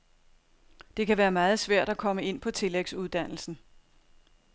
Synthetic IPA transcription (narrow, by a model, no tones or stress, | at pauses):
d̥e̝kʰæʋæːɐmɑ̈ːð̞̩ˠsʋæɐ̰d̥ækʰɒ̽məe̝n̰pʰɒ̽t͡sʰe̝leɡ̥suðˠd̥æn̰l̩sn̩